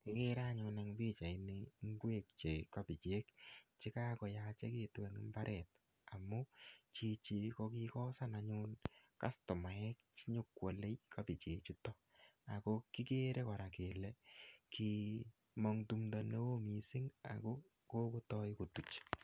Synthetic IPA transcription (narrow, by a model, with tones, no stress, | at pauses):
ki˦ke˦ɾa˦ɲʊ˧na˨ŋbi˦t͡ʃa˨i˨neŋɡwe˦k̚t͡ʃe˨ka˦pi˨t͡ʃe˦kt͡ʃi˦ka˦kɔ˨jat͡ʃɛ˦ki˨twɛ˨ŋɪ̰˦mba˦ɾʔɛ˨t̚ | a˨mːu˦t͡ʃi˦t͡ʃi˨ko˦ki˦kɔ˦sa˦na˦ɲʊnka̰˦stɔ˨ma˨ɛ˦k̚t͡ʃi˦ɲʊ˦kwo˨le˦jka˦pi˨t͡ʃeː˨t͡ʃu˦tɔ˦ | a˨ko˦ki˦ke˦ɾʔe˦ka˨ɾa˨ke˨lɛ˨ki˦ | mɔ˦ŋtu˧mdo˨ne˦wo˦mi˨si˦ŋa̰˨ko˦ | ko˦ku˦tɔ˦ɪ˦ku˨tu˨t͡ʃ